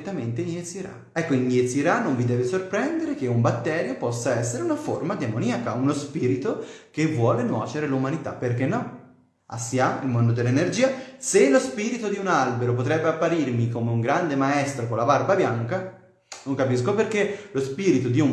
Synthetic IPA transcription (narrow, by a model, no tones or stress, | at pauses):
t̪ːament̪eniet̪siɾa̰ | ɛkːoinːiet̪siɾanːoɱvid̪ɛːvesorpɾɛnd̪eɾek̟eumbat̪ːɛːɾjopɔsːaɛsːeɾeunaformad̪emoniakaunospiːɾit̪okevːwɔːlenwɔːt͡ʃeɾelumanit̪a̰pːerkenːɔ | a̰sːjamḭlmond̪od̪elːenerd͡ʒiːaselospiːɾit̪od̪iunalbeɾopot̪ɾɛbːeapːaɾirmikomeuŋɡɾand̪emaɛst̪ɾokolːabarbabjaŋka | noŋkapiskoperkelospiːɾit̪od̪iu